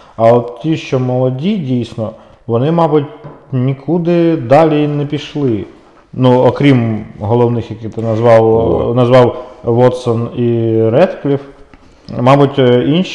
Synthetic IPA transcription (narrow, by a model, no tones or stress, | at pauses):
ɐɔt̪tʲiʃt͡ʃɔmɔlˠɔdʲidʲijsʲnɔ | ʋɔnɪmɑbʊtʲnʲikʰud̪ɪd̪ɑlʲinɛpʲiʃlˠɪ | nuɔkɾʲimɦɔlˠɔwnɪxjɐkɪt̪ɪnɐzʋɑwnɐzʋɑwʋɔt̪sɔniɾɛt̪klʲif | mɑbʊtʲinʃ